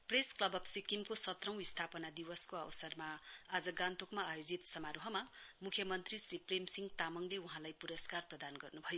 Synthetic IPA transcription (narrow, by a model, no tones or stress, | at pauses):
presklʌbʌbsikimkosʌt̪rʌ̃w̃ist̪ʰapʌnad̪iwʌskoawsʌrmaːd͡zʌɡant̪okmaːjod͡zit̪sʌmaɾoɦʌmamukʰjʌmʌnt̪risripremsiŋt̪amʌŋleuɦãlajpuɾʌskarprʌd̪anɡʌrnubʱʌjo